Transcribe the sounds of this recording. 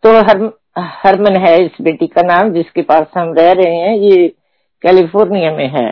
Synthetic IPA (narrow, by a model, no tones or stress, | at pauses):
t̪oɦɐɾ | hɐɾmə̃nɦɛɪsbeːʈikanaːmd͡ʒɪskepaːsɦɐmɾɛɦɾɐɦeɦɛ̃je | kɛːlipʰoːɾnijamẽɦɛ̰ː